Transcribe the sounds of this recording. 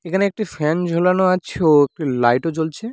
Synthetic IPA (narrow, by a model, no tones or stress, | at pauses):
ekʰaneek̚ʈifɛnd͡ʑʱolanoat͡ɕʰeoek̚ʈilajʈot͡ɕolt͡ɕʰe